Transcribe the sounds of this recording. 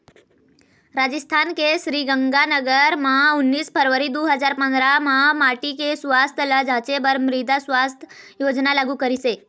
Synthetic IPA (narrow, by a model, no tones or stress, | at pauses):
ɾad͡ʑəst̪ʰankeɕɾiːɡəŋɡanəɡəɾmãunːiːspʰəɾʋəɾid̪uɦəd͡zaɾpə̃nd̪ɾamãmaʈikesʋast̪ʰələd͡zʱat͡ɕebəɾmɾid̪asʋast̪ʰjod͡ʒnalaɡukəɾise